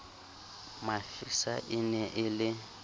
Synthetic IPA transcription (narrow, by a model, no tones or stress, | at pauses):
mafisaʔɪnɛʔɪlɪ